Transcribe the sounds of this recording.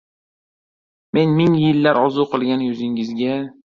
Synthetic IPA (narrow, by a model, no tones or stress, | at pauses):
me̞nmɪŋjɪlːaɾɒzuqʰɨlˠɡʲanjʊzɪŋɪzɡʲa